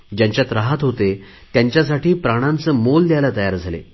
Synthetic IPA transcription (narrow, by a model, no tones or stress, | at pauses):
d͡ʑjaɲt͡ɕjat̪ɾaɦat̪ɦot̪e | t̪jaɲt͡ɕjas̬aʈiːpɾaɽ̃ãnt͡səmold̪jajlat̪əjaɾd͡zʱalḛ